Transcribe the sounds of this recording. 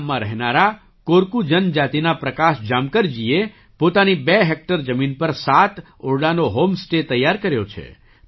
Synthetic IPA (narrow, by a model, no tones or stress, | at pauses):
mːãɾəɦnaɾa | koɾkud͡ʒənd͡ʒat̪inapɾəkaʃd͡ʒamkəɾd͡ʒie | pot̪anibeɦek̚ʈəɾd͡ʒəminpəɾsat̪ | oɾɽanoɦomsʈet̪əjːaɾkəɾjot͡ʃʰḛ